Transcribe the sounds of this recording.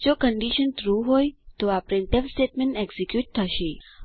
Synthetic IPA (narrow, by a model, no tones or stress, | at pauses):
d͡ʒokəɳɖiʃənt̪ɾuɦojt̪oapɾenʈeʋsʈeʈmẽɳʈeɡsikjuʈ̚t̪ʰəʃe